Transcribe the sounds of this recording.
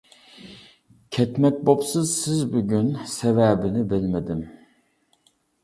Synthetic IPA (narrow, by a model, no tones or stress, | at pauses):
cʰɛt̪mɛc̚bo̞psɯzsizbuɟynsevæbinibilʲmed̪im